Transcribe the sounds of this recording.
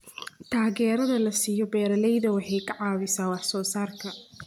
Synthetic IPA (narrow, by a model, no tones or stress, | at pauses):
t̪ʰaːɣɛːɾɐðɐlɐsiːjɔbɛːɾɐlɛjðɐwɑħɑjkʰɐʕɑːβɪsaːwɑħsɔːsaːrkʰɐ